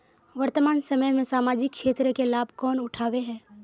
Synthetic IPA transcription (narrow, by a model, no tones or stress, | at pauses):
ʋɐɾt̪əmaːnsɐməjmẽsaːmaːd͡ʒɪkkʃeːt̪ɾəkelaːb̚ʱkɔːnʊʈʰaːʋeɦɛ̃ː